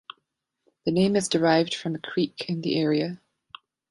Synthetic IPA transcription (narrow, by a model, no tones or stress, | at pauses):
ðənẽɪ̃mɪzdɪɹaɪvd̥fɹə̃mðəkʰɹ̥iˑkʰɪ̃nðḭʔɛːɹiə